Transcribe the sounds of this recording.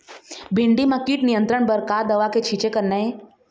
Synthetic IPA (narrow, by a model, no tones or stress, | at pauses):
bʱiɳɖimakiːʈnijənt̪ɾəɳbəɾkad̪əʋaket͡ɕʰit͡ɕekəɾnae